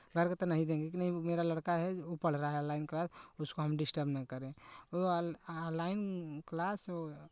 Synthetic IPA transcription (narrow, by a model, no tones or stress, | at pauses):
ɡʱəɾket̪ɔnəɦĩd̪ẽɡekinəɦĩmeɾaləɽkaɦɛopəɽ̤ɾaɦaɦɛəlaɪnklasuskoɦəmɖisʈəɾbnəkəɾẽo | laɪnklaso